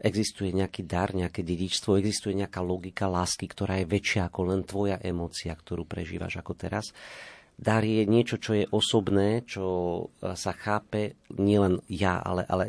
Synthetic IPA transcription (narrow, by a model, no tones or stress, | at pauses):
ʔɛɡzist̪ujɛɲɛakiːd̪aɾɲɛakɛːɟɛɟit͡ʃst̪ʋɔɛɡzist̪ujɛɲɛakaːlɔɡikalaːskikt̪ɔɾaːjɛʋɛt͡ʃɪaːkɔlɛnt̪ʋɔjaʔɛmɔːt͡siakt̪ɔɾuːpɾɛ̰ʒiːʋa̰ʒakɔt̪ɛɾa̰s | d̪aɾjɛɲɪɛt͡ʃɔt͡ʃɔjɛʔɔsɔbnɛːt͡ʃɔ | saxaːpɛɲɪɛlɛnjaa̰lɛ̰ʔa̰lɛ